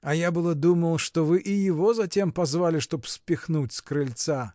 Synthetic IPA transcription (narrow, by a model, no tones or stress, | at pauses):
ɐjabɨlˠɐd̪umɐlˠʂt̪ɔvɨʔijivɔzatʲɛmpazvalʲiʂt̪ɔpsʲpʲixnut͡sʲskɾɨlʲt̪sa